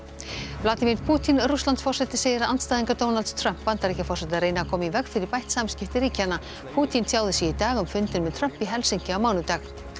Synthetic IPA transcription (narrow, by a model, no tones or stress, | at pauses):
plaːt̪imiɾt̪pʰuːt̪ʰinruslant̪sfɔrsɛt̪ɪsejðɪɾaant̪st̪aːjðiŋkat̪ownalt̪st̪ʰɾœm̥pːant̪aɾicafɔr̥sɛt̪ɪaɾeːjnakʰɔːmɪivɛkfɪɾɪɾpajht̪samscɪft̪ɪɾiːcana | pʰuːt̪ʰinsʰjaːwðɪsjɛit̪aːɣʏmfʏnt̪ɪnmɛðt̪ʰɾœm̥piɦɛlsiɲcɪawmaːwnʏt̪ax